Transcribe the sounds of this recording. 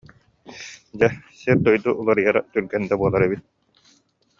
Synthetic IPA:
d͡ʑɛsiɾd̪ɔjd̪uʔulˠaɾɯjaɾat̪yɾɡɛnd̪abuɔlˠaɾɛβit̪̚

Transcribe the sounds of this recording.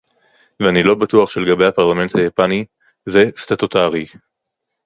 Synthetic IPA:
veanilo̞batuaχʃeleɡabejhapaʁlame̞nthajapani | zestatotaʁi

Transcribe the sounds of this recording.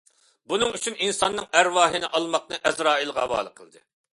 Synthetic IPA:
bunɨŋyt͡ʃʰyninsɑnːɨŋæɾwɑːɦɪnɪʔɑlˠmɑq̚nɨʔɛzɾɑːilˠʁɑ̰bɑ̰ːlˠəqʰəlˠd̪ɨ̰

